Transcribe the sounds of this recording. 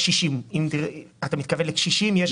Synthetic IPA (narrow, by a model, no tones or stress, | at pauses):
ʃiʃimimd̪iat̪amit̪̚kavenlekʃiʃimjeʃ